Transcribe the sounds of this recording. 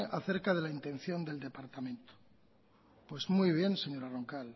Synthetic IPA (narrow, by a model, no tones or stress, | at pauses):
ʔaθe̞ɾkaðe̞laint̪ẽ̞n̟θjo̞nd̪e̞ld̪e̞paɾt̪amẽ̞nt̪o̥ | pwe̞zmujβ̞je̞nse̞ɲo̞ɾaro̞ŋkal